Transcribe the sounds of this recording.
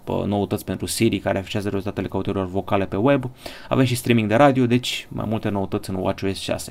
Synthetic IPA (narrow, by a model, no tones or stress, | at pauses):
no̞ut̪ot̪sʲpe̞nt̪ɾusiɾikaɾeafi̥ʃiazəɾezult̪at̪ele̞kəut̪oɾilo̞rvo̞kale̞pe̞we̞ba̰ve̞mʃist̪ɾimiŋɡd̪e̞ɾad̪io̞d̪e̞t͡ʃʲma̰jmult̪e̞no̞wut̪o̞t̪sʲɨnwa̰t͡ʃoesʃia̰se